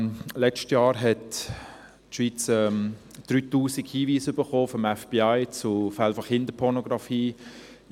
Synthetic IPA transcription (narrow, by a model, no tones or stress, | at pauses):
lɛt͡ʃtjɑːɾɦɛt | ʃʋiːt͡sɛm | d̥ɾyːtuːsikhiːviːsʏb̥əχoːfɔmɛfb̥iaɪt͡sʊfɛlfɔχɪndəpʰɔɾnoɡʁɑfiː